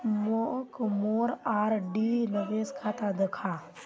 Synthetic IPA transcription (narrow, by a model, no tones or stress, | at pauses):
mokmoːɾaːɾɖinəʋeːskʰaːt̪ad̪ekʰaː